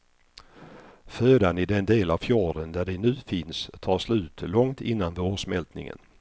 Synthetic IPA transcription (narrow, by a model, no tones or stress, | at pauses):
føːd̪anɪd̪ɛnd̪eːlavfjɑːɖənd̪æɖɛnʉ̟ːfɪnst̪ʰɑːʂlʉ̟ːt̪lɔŋt̪ɪnːanvoːʂmɛlt̪nɪ̰ŋə̰n